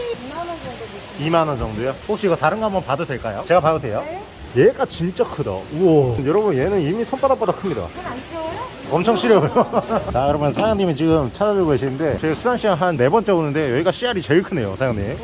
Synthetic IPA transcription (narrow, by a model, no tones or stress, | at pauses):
imanʌnd͡ʑʌŋdojohok̚ɕ͈iɡʌtaɾɯnɡʌɦambʌnpadɯdwe̞ɭk͈ajot͡ɕe̞ɡapaɡotʰe̞jo | jeɡat͡ɕint͡ɕ͈akʰɯdo̰uʌnjʌɾʌbunjenɯnimisʰonp͈ʰadap͈odakʰɯmɲida̰ | ʌmt͡ɕʰʌŋɕʰiɾjʌujot͡ɕakɯɾʌmjʌnsʰajʌŋɲimit͡ɕiɡɯmt͡ɕʰad͡ʑad͡ʑɯɭɡoɦeɕʰinɯnde̞t͡ɕeɡsʰusʰanɕ͈ʰiaɦanːe̞bʌnt͡ɕ͈ʰe̞onɯnde̞jʌiɡaɕ͈iaɾit͡ɕeɭkʰɯne̞jo̰sʰajʌŋɲim